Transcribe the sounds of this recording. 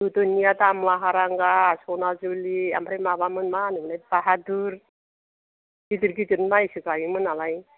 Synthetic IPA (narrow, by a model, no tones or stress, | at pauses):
d̪ut̪onijat̪amlaɦaɾaŋɡasɔnazulia̰mbɾamabamɯnmanɯmɯnajpaɦad̪uɾ | ɡit̪ɯɾɡit̪ɯɾmajsɯkajimɯnalaj